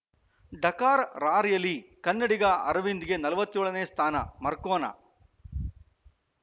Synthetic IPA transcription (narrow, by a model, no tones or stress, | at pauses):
ɖɐkaːɾɾaːɾjɐlːikɐnːɐɽiɡɐɐ̰ɾɐʋind̪iɡe̞nɐlɐʋɐt̪ːjoːɭɐneːst̪ʰaːnɐ̰mɐɾkoːnɐ̰